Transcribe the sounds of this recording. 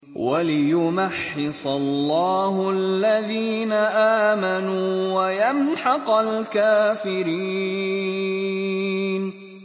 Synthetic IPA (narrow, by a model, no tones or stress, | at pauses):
walɪjʊmaħːɪsˤɑlːɑːɦʊallːaðiːnaʔaːmanuːwajamħɑqɑlkaːfɪɾiː | n